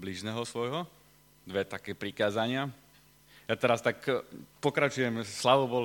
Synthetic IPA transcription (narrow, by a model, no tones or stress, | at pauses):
bliʒnɛːɦɔsʋɔjɦɔ | d̪ʋɛt̪akɛːpɾikaːzaɲɪa | jat̪ɛɾast̪akpɔkɾat͡ʃujɛmslaʋɔbɔl